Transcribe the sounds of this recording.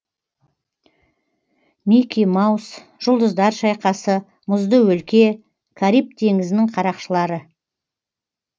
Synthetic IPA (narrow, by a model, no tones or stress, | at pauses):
mikʲijmɑws | ʒ̥ʊlˠd̪əzd̪ɑɾʃɑjqɑsə | mʊzd̪əwɵlkʲe̞ | kʰaɾijp̚t̪ʰe̞ŋɪzɪnɪŋqʰɑɾɑqʃəlˠɑɾə